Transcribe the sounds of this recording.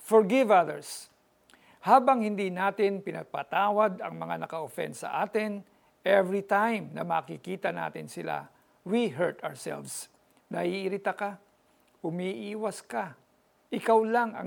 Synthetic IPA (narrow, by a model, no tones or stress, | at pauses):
fɔɹɡɪvaðɛɹs | haːbɐŋhɪnd̪inaːt̪ɪnpɪnɐɡ̚pat̪aːwɐd̪ɐ̰ŋmɐŋanɐkɐʔofɛ̰nsɐ̰ʔaːt̪ɪn | ʔɛvɹit̪ajmnɐmɐ̰kikiːt̪ɐna̰ːt̪ɪnsɪla̰ | wiɦɛɹt̪a̰ɹsɛ̰lvs | nɐhiʔːɾɪt̪aka | hʊmiʔiːwɐska | ʔɪkawlaŋɐ̰